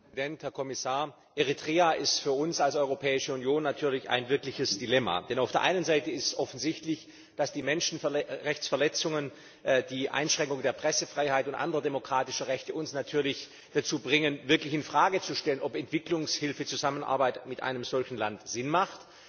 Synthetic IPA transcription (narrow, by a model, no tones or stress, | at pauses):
dɛnthɛɐkʰɔmɪsaːɐ | ʔeʁitʁ̥eːaʔɪstfyːɐʊnsalsɔʏʁopʰɛːɪʃəunjoːnːatʰyːɐlɪça̰ɪnvɪɐklɪçəsd̥ilɛma̰d̥ɛnaʊfd̥eːɐʔa̰ɪnənzaɪtəɪstsʔɔfn̩zɪçtlɪç | d̥asd̥iːmɛnʃn̩ʁɛçt͡sfɛɐlɛt͡sʊŋən | d̥iːʔa̰ɪnʃʁ̥ɛŋkʊŋdeːɐpʁ̥ɛsəfʁ̥aɪhaɪtʊntʔa̰ndəʁɐdemokʁ̥aːtɪʃɐʁɛçtəʔʊnsnatʰyːɐlɪç | d̥at͡suːbʁɪŋənvɪɐklɪçɪnfʁ̥aːɡət͡suʃtɛlənɔpɛntv̥ɪklʊŋshɪlfət͡suzamənʔa̰ɐbaɪtmɪtʔa̰ɪnəmzɔlçn̩lantz̥ɪnmaχt